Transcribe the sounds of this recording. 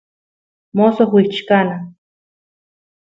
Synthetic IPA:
mosoxwit͡ʃkana

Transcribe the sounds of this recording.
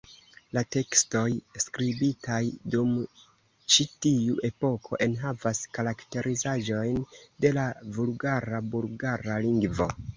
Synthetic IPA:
late̞ksto̞jskɾibitajdum | t͡ʃitiuʔe̞po̞kʰo̞̰ʔe̞nɦavaskaɾakte̞ɾʔizaʒo̞jnde̞lavulɡaɾabulɡaɾaliŋɡvo̞̰

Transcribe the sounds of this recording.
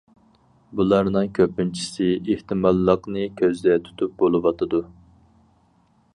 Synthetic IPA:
bulˠɑɾnɨŋkʲʰøpːynt͡ʃʰi̥sɪeht̪ʰɨmɑlˠːəqnɨkʲʰøzd̪ɛt̪ʰy̥t̪ʰup̚bolˠɨwɑt̪ʰɨd̪u

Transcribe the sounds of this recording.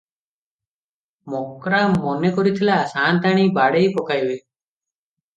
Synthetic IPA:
mɔkɾaːmɔnekɔɾit̪ʰɪlaːsaːnt̪aːɽ̃iːbaːɽeiːpɔkaːjweː

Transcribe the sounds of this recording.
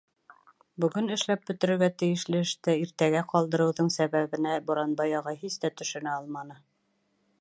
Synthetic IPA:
bɵ̆ɡɘnɘ̆ʃlæp̚bɵ̆t̪ɘ̆ɾɘ̆ɾɡæt̪ɘ̆jɘ̆ʃlɘɘ̆ʃt̪ɘiɾt̪æɡæqɒlˠd̪ɤ̆ɾɤ̆wðɤɴsæβæβɘ̆næbŏɾɑnbɑjɑʁɑɦisd̪æt̪ɵ̆ʃɘ̆næɒlˠmɑnɤ

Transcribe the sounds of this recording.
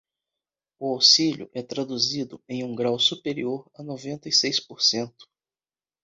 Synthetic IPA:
ʊawsiʎʊ̰ʔɛt̪ɾad̪uzid̪ʊẽj̃ũɡɾawsupeɾioɾɐnovẽnt̪ɐisejspoɾsẽnt̪ʊ̥

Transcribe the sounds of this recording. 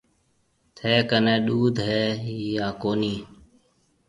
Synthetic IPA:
t̪ʰeːkənẽːɗuːd̪ʱɦeːijaːkoːniː

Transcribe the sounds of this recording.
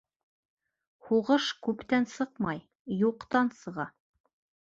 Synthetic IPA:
huʁɤʃkʉpt̪ænsɤqmɑj | juqt̪ɑnsɤ̆ʁɑ

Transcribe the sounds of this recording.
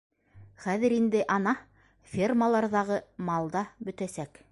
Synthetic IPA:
χæðɘɾind̪ɘʔɑnɑ | fʲerməlˠɑɾðɑʁɤmɑlˠd̪ɑbɵ̆t̪æsæk

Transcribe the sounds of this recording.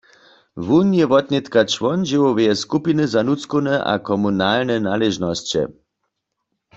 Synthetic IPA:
ʋunjɛʋɔt̪nɛt̪kat͡ʃʋɔnʒiwɔʋɛjɛskupinɨzanut͡skonɛʔa̰kɔmunaːlnɛnalɛʒnɔst͡ɕɛ̰

